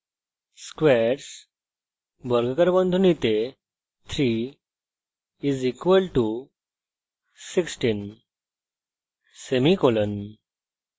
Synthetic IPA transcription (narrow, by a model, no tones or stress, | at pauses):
skʋeɾs | bəɾɡʱəkəɾbənd̪ʱunit̪e | t̪ʰɾi | izikʋəlʈu | siksʈin | semikolən